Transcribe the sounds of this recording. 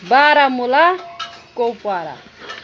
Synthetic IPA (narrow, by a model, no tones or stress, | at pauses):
baɾamulakowpwaɾa̰